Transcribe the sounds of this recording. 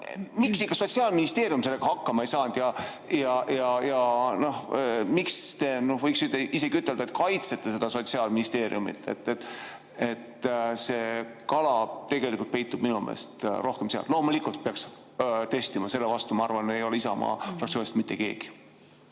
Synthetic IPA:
miksikːɑso̞t̪siɑːlminist̪e̞ːɾjumse̞leɡ̥ɑhɑkːɑmɑejsɑːnd̪̥jɑ | jɑjɑjɑno̞hmikst̪e̞nohvɤjksyt̪ːeise̞ɡ̥iyt̪ːˑe̞ld̪ɑet̪̚ˑkɑjt̪set̪ːe̞s̬e̞d̪̥ɑso̞t̪siɑːlminist̪e̞ːɾḭumḭt̪ːˑḛt̪ːˑet̪ːˑ | et̪se̞kɑlɑt̪e̞ɡ̥e̞likult̪̚pe̞jt̪ːˑub̥minumḛːst̪ɾʔo̞hkemseɑ̰llo̞ːmulikːˑult̪̚peɑks | t̪e̞st̪imɑse̞lːevɑst̪umɑɑrvɑnejo̞leisɑ̰mɑ̰ːfrɑkt̪sioːnʲist̪mit̪ːe̞ke̞ːɡ̥i̥

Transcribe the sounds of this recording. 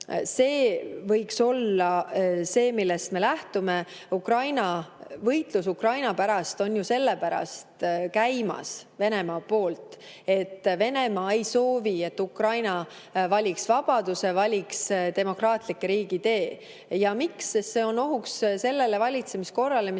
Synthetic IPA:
se̞ːvɤjkso̞lːɑse̞ːmilːest̪me̞læht̪ume | ukrɑjnɑvɤjt̪lusukrɑjnɑpæɾɑst̪o̞njuse̞lːepæɾɑ̰st̪kæjmɑ̰sve̞ne̞mɑːpo̞ːlt̪ˑe̞t̪ːve̞ne̞mɑːejso̞ːvie̞t̪ːukrɑjnɑ | vɑlʲiksvɑb̥ɑd̪̥use̞vɑlʲiksd̪e̞mo̞krɑːt̪ˑlikːeɾiːɡ̥it̪e̞ː | jɑmikseːe̞ːono̞ɦuksse̞lːe̞le̞vɑlʲit̪se̞misko̞rːɑlemi

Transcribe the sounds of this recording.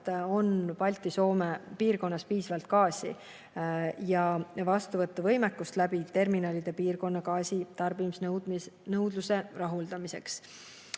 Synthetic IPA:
t̪o̞npɑlʲt̪ˑːiso̞ːmepiːrko̞nːɑspiːsɑvɑlt̪̚kɑːsḭ | jɑvɑst̪uvɤt̪ːɑvɤjmekːˑust̪læbit̪e̞rminɑlʲid̪̥e̞piːrko̞nːɑkɑːsit̪ɑrbimsnnɤwd̪luse̞rɑɦuld̪̥ɑmise̞̰ks

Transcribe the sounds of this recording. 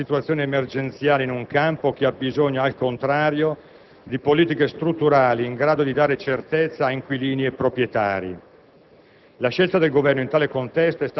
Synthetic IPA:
it̪uat̪sːjoːneemerd͡ʒent̪sjaːleinuŋkampok̟eabːizoɲːoalkont̪ɾaːɾjo | d̪ipoliːt̪ikest̪ɾut̪ːuɾaːliːŋɡɾaːd̪od̪id̪aːɾet͡ʃert̪et̪sːaːiŋkwiliːniepːɾopɾjet̪a̰ːɾḭ | laʃːelt̪ad̪elɡovɛrnoint̪aːlekont̪ɛst̪oɛst̪

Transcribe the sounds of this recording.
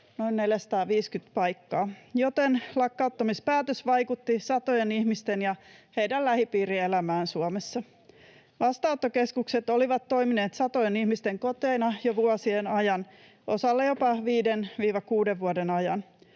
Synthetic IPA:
no̞inne̞ljæsɑ̥t̪ɑːʋiːskyt̪pɑjkːɑːjot̪enlɑkːɑut̪ːɑmispæːt̪øsʋɑjkut̪ːisɑt̪ojenihmist̪enjɑheidællæhipiːɾielæmæːnsuomesːɑ | ʋɑst̪ɑot̪ːokeskukset̪oliʋɑt̪ːo̞imineːt̪sɑt̪ojenihmist̪eŋkot̪eːnɑjoʋuosienɑjɑn | ʔo̞sɑlːejopɑʋiːdenʋiːʋɑkuːdeʋʋuodenɑjɑn

